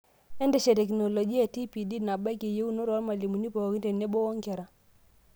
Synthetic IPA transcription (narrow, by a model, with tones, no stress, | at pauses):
ɛ˦ndɛ˨ʃe˨tɛ˨k̬no˨lɔ˨d͡ʒi˦a˦˨ti˦pi˨di˦na˨ba˦ke˨je˦u˦no˦ɾɔ˨˦lma˨li˨mu˨ni˦pɔ˨ki˦te˨ne˦ɓo˦ɔ˦ŋkɛ˨ɾa˨